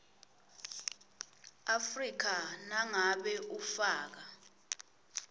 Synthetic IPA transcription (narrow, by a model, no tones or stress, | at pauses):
afrik̬anaŋaɓɛʔufaːk̬a